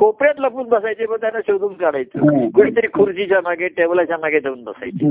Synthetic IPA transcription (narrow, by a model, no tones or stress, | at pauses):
kopɾjat̪ləpuːnbəsajt͡seməɡt̪janːaɕewd̪uŋkaɽajt͡sə̰kuɽ̃iːt̪əɾiːkʰuɾd͡ʑit͡ɕamaɡeʈeʋlat͡ɕamaɡed̪euːnbəsa̰jt͡ɕe